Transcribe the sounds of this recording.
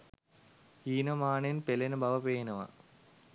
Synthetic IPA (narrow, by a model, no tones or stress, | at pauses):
iːnɐmaːɳenpelɐnɐbʱɐʋɐpeːnɐʋɐ̰